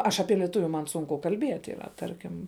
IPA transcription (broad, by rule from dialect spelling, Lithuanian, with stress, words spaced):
ˈɐʃ ɐˈpʲiɛ lʲiɛˈtʊʋʲʊ mɐn ˈsʊŋkʊ kɐlʲˈbʲiɛtʲ iːˈrɐ ˈtɐrʲkʲɪm